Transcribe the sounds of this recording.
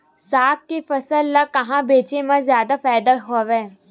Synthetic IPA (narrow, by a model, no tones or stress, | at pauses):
saːk̚kefɐsəlːakɐɦãbeːt͡ʃemãzjaːd̪afɛːd̪əɦoːʋɛː